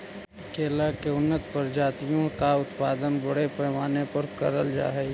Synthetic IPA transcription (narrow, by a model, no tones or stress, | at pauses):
keːlakeʊnːət̪pɐɾd͡ʒaːt̪ijõkaʊt̪paːd̪ənbɐɽepɛɦmaːnepɐɾkɐ̰ɾəld͡ʒa̰ːɦɛ